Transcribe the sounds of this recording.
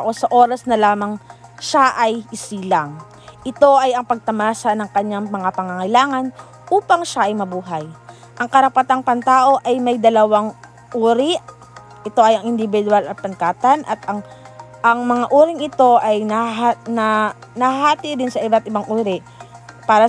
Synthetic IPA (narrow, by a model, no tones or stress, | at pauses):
ʔosɐʔo̞ːɾɐsnɐlaːmɐŋʃaʔɐjʔɪsiːlaŋ | ʔɪt̪o̞ʔɐjɐŋpɐɡ̚t̪ɐmaːsɐnɐŋkɐɲaŋmɐŋapɐŋɐŋɐjlaːŋɐn | ʔuːpɐŋʃaʔɐjmɐbuːɦaj | ʔɐŋkɐɾɐpɐt̪aŋpɐnt̪aːʔo̞ʔɐjmɐjd̪ɐlɐwaŋ | ʔuːɾɪʔ | ʔɪt̪o̞ʔɐjɐŋʔɪnd̪ɪbɪd̪ʊalɐt̪̚pɐnkaːt̪ɐnʔɐt̪ʔɐŋ | ʔɐŋmɐŋaʔuːɾɪŋʔɪt̪o̞ʔajnɐɦanɐnɐhhaːt̪ɪɾɪnsɐʔɪbat̪ʔɪbaŋʔuːɾɪʔ | paːɾɐ